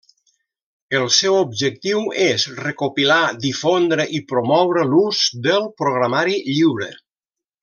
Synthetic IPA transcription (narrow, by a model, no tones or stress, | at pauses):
əlˠsɛwobʒək̚t̪iwezrekopilad̪ifond̪ɾəʔipɾomɔwɾəluzd̪əlˠpɾoɣɾamaɾiʎiwɾə̰